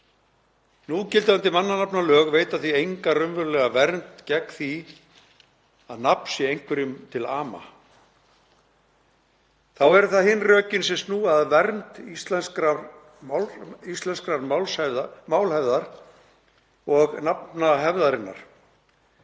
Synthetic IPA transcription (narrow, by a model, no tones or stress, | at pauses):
nucɪlt̪ɪant̪ɪmanːanapnalœːɣveːjt̪aθiejŋkarʏmvʏɾlɛɣavɛɾnt̪cɛkːθi | aðnapn̥sɪejŋkʰvɛɾʏmt̪ʰɪlaːma̰ | θawɛɾʏθaðhɪnrœːcɪnsɛmsnuːaðvɛɾnt̪ist̪lɛnskɾaɾ | ist̪lɛnskɾaɾmawlsɛvðmaːwlhɛvðaɾ̥ | ɔɣnapnaɦɛvðaɾɪnːa̰ɾ̥